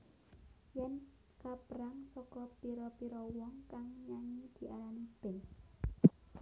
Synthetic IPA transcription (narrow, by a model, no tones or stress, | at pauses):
jɛn | kapəɾaŋsɔkɔpiɾɔpiɾɔwɔŋkaŋɲaŋid̪̥i̤ʔalanib̥ɛ̤ŋ